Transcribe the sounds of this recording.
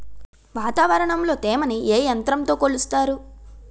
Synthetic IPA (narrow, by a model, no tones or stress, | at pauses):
ʋaːt̪aːʋɐɾɐɳɐmlo̞ːt̪eːmɐnieːjɐnt̪ɾɐmt̪o̞ːkoɭust̪aːɾu